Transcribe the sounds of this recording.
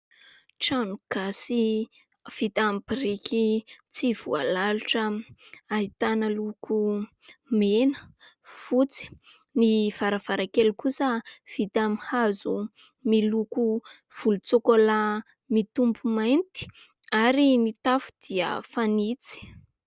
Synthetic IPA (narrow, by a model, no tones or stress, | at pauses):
ʈ͡ʂanuɡ̥asi | v̥it̪ambiɾikʰit͡siv̥ṵa̰laluʈ͡ʂəaɦit̪anəluku | menə̥fut͡si̥ | niv̥aɾav̥aɾakelukusəv̥it̪amihazu | miluku | v̥ulut͡sokola | mit̪umbumajnt̪i̥ | aɾinit̪afu̥d̪̥iə̰fanit͡si̥